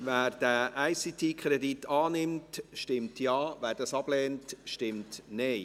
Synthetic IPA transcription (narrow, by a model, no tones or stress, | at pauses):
væːɾd̥æʔæɪsit̪ʰiːkʰχɾɛditʰɑːnɪmtʃtɪmtʰjɑːʋæːɾd̥ɑsɑb̥lɛːntʃtɪmtnɛɪ